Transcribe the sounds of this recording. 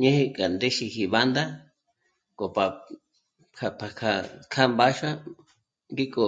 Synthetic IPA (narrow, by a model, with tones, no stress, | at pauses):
ɲẽ˦he˧kʼa˨nd̪e˦ʃi˧hi˧βa˦nd̪a˦ | kʼo˨pa˨ | kʰa˧pʰa˨kʰa˧kʰa˦mba˦ʃa˦ | ɡi˦kʼo˧